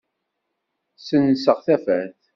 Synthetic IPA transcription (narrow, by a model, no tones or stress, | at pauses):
sənsəʁθæfæɾθ